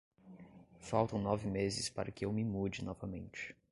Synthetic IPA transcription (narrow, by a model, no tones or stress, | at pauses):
fawt̪ɐ̃w̃nɔvɪmezɪspaɾɐkɪewmɪmud͡ʒɪnɔvɐmẽnt͡ʃɪ̥